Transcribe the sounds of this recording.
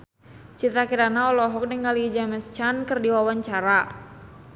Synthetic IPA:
t͡ʃit̪ɾakiɾanaɔlɔɦɔk̚nəŋɡalid͡ʒamɛst͡ʃankɨrdiwawaɲt͡ʃaɾa

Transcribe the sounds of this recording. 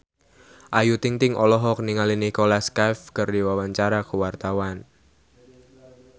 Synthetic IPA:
ʔajut̪iŋt̪ɪŋʔɔlɔɦɔkniŋalinikolaskafkərdiwawaɲt͡ʃaɾakuwart̪awan

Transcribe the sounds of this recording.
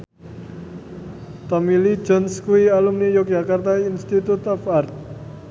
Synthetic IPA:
t̪ɔmili̥d͡ʒɔnskuialumnijɔk̚jakart̪ainst̪it̪ut̪ɔfart̪̚

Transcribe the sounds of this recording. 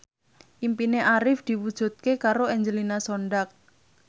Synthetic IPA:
ʔimpineʔaɾɪfd̪̥iwud̥ʒ̥ṳt̪̚kekaɾoɛɲd͡ʒəlinasoɳɖak̚

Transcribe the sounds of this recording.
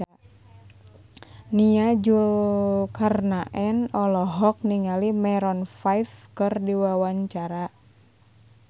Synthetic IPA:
niad͡ʒulkarnaʔɛnɔlɔɦɔk̚niŋalimɛɾɔnfajfkɨrdiwawaɲt͡ʃaɾa

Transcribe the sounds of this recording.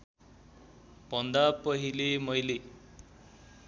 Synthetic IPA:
b̥ʱʌnd̪apʌɦilemʌjle

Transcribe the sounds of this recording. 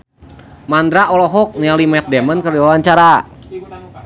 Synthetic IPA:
mand̪ɾaʔɔlɔɦɔk̚nialimɛt̪̚dɛmənkərdiwawaɲt͡ʃaɾa

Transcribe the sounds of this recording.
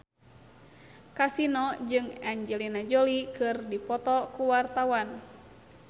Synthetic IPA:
kasinɔd͡ʒɨŋaɲd͡ʒɛlinad͡ʒolikɨrdipɔt̪ɔkuwart̪awan

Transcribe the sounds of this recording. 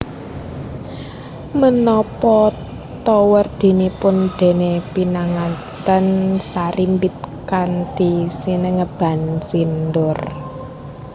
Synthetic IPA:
mənɔpɔ | t̪ɔwərd̪̥e̤nipʊnd̪̥e̤nepinaŋa | t̪ənsaɾʔimbit̪̚kand̪̥isinəŋəb̥a̤nsindʊr

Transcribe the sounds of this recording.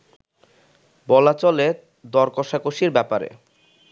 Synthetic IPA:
bɔlat͡ɕɔle | d̪ɔɾkɔʃakoʃiɾbɛpaɾḛ

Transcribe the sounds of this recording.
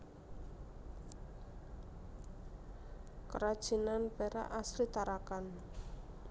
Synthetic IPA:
kəɾad̥ʒ̥i̤nanpɛɾa̰ʔaslit̪aɾakan

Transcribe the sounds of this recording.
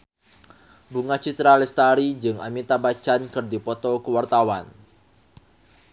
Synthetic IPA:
buŋat͡ʃit̪ɾalɛst̪aɾid͡ʒɨŋa̰mit̪abat͡ʃankɨrdipɔt̪ɔkəwart̪awan

